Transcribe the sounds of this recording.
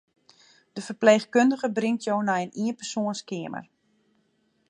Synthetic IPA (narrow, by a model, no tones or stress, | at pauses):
d̥əfərpleːxkøndəɣəbrɪŋtʰjownɛjəniənpərsoənskɪəmə̰r